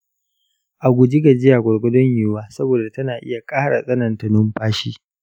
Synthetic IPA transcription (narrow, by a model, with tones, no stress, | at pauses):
ʔa˨ɡʷʊ˨d͡ʒi˦ɡa˨d͡ʒɪ˦jaː˨ɡʷɔ˨ɽɡʷʊ˦dɔ˦ɲjuː˨waː˦sɐ˦boː˨da˨tɐ˦naː˨ʔɪ˦ja˨kʼaː˦ɽa˨sʼɐ˦nɐ˨ntɐ˨nʊ˦mɸaː˦ʃiː˦